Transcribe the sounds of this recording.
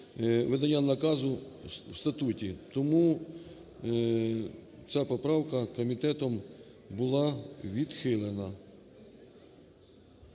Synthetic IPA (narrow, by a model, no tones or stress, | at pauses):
ʋed̪ɐnʲːanɐkɑzʊwst̪ɐt̪utʲit̪ɔmu | t͡sʲapɔpɾɑwkɐkɔmʲit̪ɛt̪ɔm | bʊlˠɑʋʲid̪xɪlˠenɐ